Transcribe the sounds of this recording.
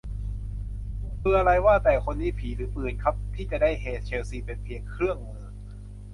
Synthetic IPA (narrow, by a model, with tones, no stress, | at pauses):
mɯ˧a˧ɾa˧jwaː˥˩t̪ɛː˨˩kʰo˧nːiː˦˥pʰiː˩˦ɾɯː˩˦pɯː˨˩nkʰa˦˥p̚t̪ʰiː˥˩t͡ɕa˨˩da˥˩jɦeː˨˩t̪̚t͡ɕʰeː˧wsiː˧˩pe˧npʰi˨˧əŋkʰɾɯ˥˩əŋmɯː˧